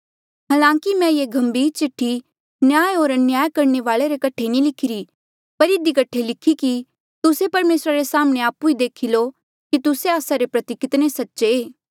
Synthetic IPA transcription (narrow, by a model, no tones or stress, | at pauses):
ɦaːlãːŋkimɛ̃jeɡʱɐ̃mbiːɾt͡ʃɪʈʰːi | njaːjɦoːɾnjaːjkɐɾneʋaːɭeɾekɐʈʰenĩlɪkʰːɪɾi | pɐɾɪd̪ikɐʈʰelɪkʰːiki | t̪ʊsepɐɾmeːsɾaɾesaːmɽ̃eaːpuid̪eːkʰilo | kit̪ʊseaːsaɾepɾɐt̪ɪkɪt̪nesɐtːʃeː